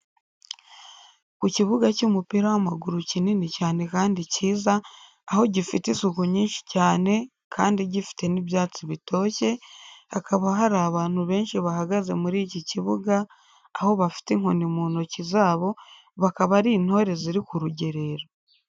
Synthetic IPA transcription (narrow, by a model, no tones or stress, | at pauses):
kuciβuɡacumupiɾawamaɡuɾucininicaːne̞kaːndiciːzaː | ho̞ɟifitisukuɲiːnʃi̥caːne̞ | kʰaːndiɟifi̥te̞niβjaːt͡siβitʰo̞ːce̞hakaβaɦaɾaːβaːn̥huβe̞ːnʃiβahaɡaze̞muɾiːciciβuɡaː | ho̞βafi̥teŋonimuːno̞cizaːβo̞ | βakaβaɾiːn̥ho̞ːɾe̞ziɾikuɾuɟe̞ɾe̞ɾo